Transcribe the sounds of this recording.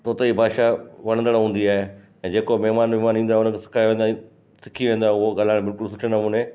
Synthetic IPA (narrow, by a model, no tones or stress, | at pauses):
t̪oːt̪eibʱaːʃaʋɐɽə̃nd̪əɽaɦũːn̆d̪iaːɦe | ɛ̃ːd͡ʑeːkomɛɦɪmaːnʋɪɦmaːnĩːn̆d̪aɦʊnəkʰesɪ̥kʰaːjʋẽːnd̪a | sɪ̥kʰiʋẽːn̆d̪aːɦeʊɦoɡaːl̤aːɪɽ̃bɪlkʊlsʊʈʰenɐmũːne